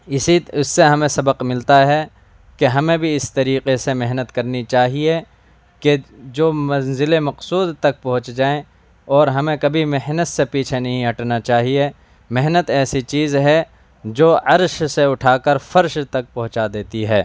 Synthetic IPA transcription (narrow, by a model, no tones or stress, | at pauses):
ɪiʊsːeɦɐmẽsɐbəqmɪlt̪aɦɛ | keɦɐmẽbʱiɪst̪ɐɾiːqesemeɦnət̪kɐɾnit͡ʃaːɦie | ked͡ʒoːmɐnzɪlemɐqsuːd̪t̪ɐk̚pɐɦʊ̃t͡ʃd͡ʒaːẽ | ɔːɾɦɐmẽkɐbʱimɪɦnət̪sepiːt͡ʃʰenɐɦĩɐʈnat͡ʃaːɦie | mɪɦnət̪ɛːsit͡ʃiːzɦɛ | d͡ʒoːɐɾʃseʊʈʰaːkəɾfɐɾʃt̪ɐk̚pɐɦʊ̃t͡ʃad̪eːt̪iɦɛː